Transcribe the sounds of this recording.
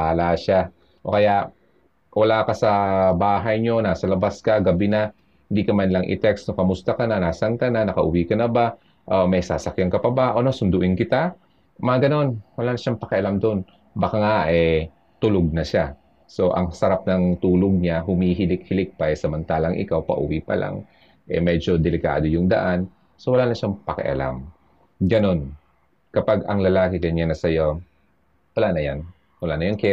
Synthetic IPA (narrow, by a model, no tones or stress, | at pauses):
aːlaʃa | ʔokɐja | wʔɐlaːkɐsɐbaːɦɐjɲo̞naːsɐlɐbaskɐɡɐbɪnɐ | hɪnd̪ikɐmanlɐŋʔɪ̰t̪ɛksnokɐmʊst̪akɐnɐnaːsɐŋt̪ananɐkɐʔʊwiːkɐnɐba | ʔomɐjsa̰ːsɐkjaŋkɐpɐbaʔonosʊnd̪ʊʔɪnkɪt̪a | mɐaɡɐno̞nwɐlaːnɐʃaŋpɐkɛʔɐlamd̪o̞n | bɐkaŋaʔɛ | t̪ʊloɡ̚nɐʃa | so̞ʔɐ̰ŋsɐɾap̚nɐŋt̪uːloɡ̚ɲaɦʊmiːɦɪlɪk̚hɪlɪk̚pɐsɐmɐnt̪aːlɐŋʔɪ̰kawpɐ̰ʔʊ̰wipɐ̰lʔa̰ŋ | ʔɛ̰mɛd͡ʒo̞d̪ɛlɪka̰ːd̪o̞jʊŋd̪ɐ̰ʔan | sowɐlaːnɐʃaŋpɐkɛ̰ʔɐ̰la̰m | ɡɐno̞n | kɐpaɡɐŋlɐlaːkɪkɐɲanɐsɐjo | wɐlaːnɐjan | wɐlanɐjaŋkɛ